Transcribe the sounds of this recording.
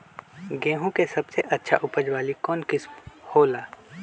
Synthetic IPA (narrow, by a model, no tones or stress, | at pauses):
ɡẽːɦũkesɐbseʔɐtːʃʰa̰ʔʊpəd͡ʒwaːlikɔːnkɪsmhoːlaː